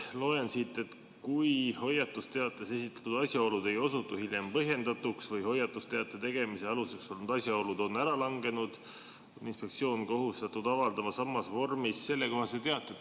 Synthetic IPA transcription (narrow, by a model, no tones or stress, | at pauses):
lo̞ensit̪ːˑe̞t̪ | kujho̞jɑt̪ːˑust̪e̞ɑt̪ˑːe̞se̞sit̪ːˑɑ̥t̪ːud̪̥ɑsʲjɑo̞lud̪e̞jo̞sut̪ːˑuhilʲje̞mpɤɦje̞nd̪̥ɑt̪uksvɤjɦo̞jːɑt̪ːˑust̪e̞ɑt̪ːˑet̪e̞ɡ̥e̞miseɑluse̞kso̞lnud̪̥ɑsʲjɑo̞lud̪o̞nːæɾɑlɑŋɡe̞nud̪̥ | ninspe̞k̪̚sio̞ːnko̞ɦust̪ɑt̪ːud̪̥ɑvɑld̪ɑmɑsɑmːɑsvo̞rmisːe̞lːe̞ko̞ɦɑset̪eɑt̪ːˑe